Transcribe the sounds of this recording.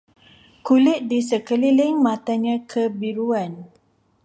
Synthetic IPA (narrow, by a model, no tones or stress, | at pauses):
kulɪt̪̚disəkəlilɪŋmat̪aɲãkʰəbiɾuan